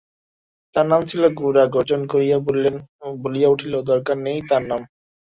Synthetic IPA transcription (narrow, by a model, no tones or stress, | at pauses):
t̪aɾnamt͡ɕʰiloɡuɾaɡod͡ʑonkoɾijabolenbolijauʈʰilod̪ɔɾkaɾnejt̪aɾnam